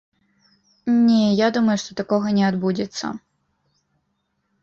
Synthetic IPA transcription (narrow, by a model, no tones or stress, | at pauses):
nʲɛjad̪umɐjuʂt̪ɔt̪akɔɣɐnʲɛad̪bud͡zʲɛt̪sːɐ̰